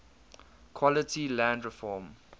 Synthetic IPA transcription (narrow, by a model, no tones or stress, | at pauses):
kʰwɔlətʰilãndɹɪfɔːm